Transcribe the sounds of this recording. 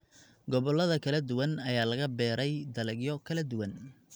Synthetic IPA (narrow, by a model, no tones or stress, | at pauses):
ɡɔβɔlːɐðɐkʰɐlɐd̪ʊwɐnɐjaːlɐɣɐbɛːɾɛjd̪ɐlɛɡjɔkʰɐlɐd̪ʊwɐn